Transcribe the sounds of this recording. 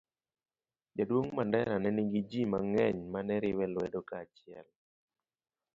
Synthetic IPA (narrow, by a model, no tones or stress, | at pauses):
d͡ʒadwoŋmandɛɾanɛniŋɡid͡ʒimaŋɛɲmanɛɾɪwɛlwɛdokat͡ʃɪɛ̰l